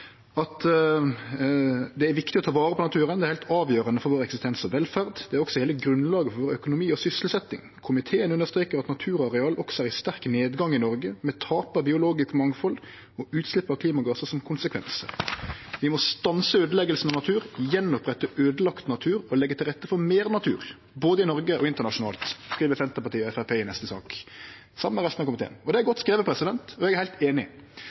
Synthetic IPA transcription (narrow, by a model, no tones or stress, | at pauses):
ɑt̪ | d̪ɛæɾʋɪkt̪ɪɔt̪ʰɑːʋɑːɾəpʰɔnɑt̪ʰʉːʁənd̪ɛæɾhɛɪlt̪ʰɑːʋjøːʁənəfɔɾʋoːɾɛksɪst̪ʰɛnsɔʋɛlfæʁd̪d̪̥ɛæɾɔksɔheːləɡɾʉnlɑːɡəfɔɾʋoːɾœkʊnʊmiːɔsʏsəlsɛt̪ːɪ̰ŋkʰʊmɪt̪ʰeːənʉnəʂst̪ɾʁeːkəɾʁɑt̪nɑt̪ʰʉːɾɔɑʁɛɑːlʔɔksɔæːʁɪst̪æʁkneːd̪ɡɑŋɪnɔʁɡəmɛt̪ʰɑːpɑbɪʊloːɡɪskmɑŋfɔlː | ɔʉːt̪slɪpːɑkʰliːmɑɡɑːsəsɔmkʰʊnsəkʰʋɛ̰nsə̰ | ʋɪmɔst̪ɑnsəøːd̪əlɛɡəlsn̩ɑnɑt̪ʰʉːɾjɛnːɔpʁɛt̪ːəʔøːd̪əlɑkt̪nɑt̪ʰʉːɾɔlɛɡːət̪ʰɪlʁɛt̪ːəfɔɾmeːʁnɑt̪ʰʉ̰ːʁ | boːd̪əɪnɔʁɡəʔɔɪnt̪əʁnɑʂʊnɑ̰ːlt̪skɾʁiːʋəsɛnt̪əpɑt̪iːɛfæpʰeːɪnɛst̪əsɑ̰ːk | sɑmːəəʁɛst̪nɑkʰʊmɪt̪ḛːənɔd̪ɛæɾɡɔt̪ːskɾeːʋəpʰɾɛsɪd̪ɛnt̪ɔɛɡæʁhɪlt̪eːnɪ̰